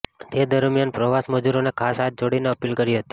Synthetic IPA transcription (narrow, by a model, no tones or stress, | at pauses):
t̪ed̪əɾmjanpɾəʋasməd͡ʒuɾonekʰasɦat̪̚d͡ʒoɽineəpilkəɾiɦət̪i̥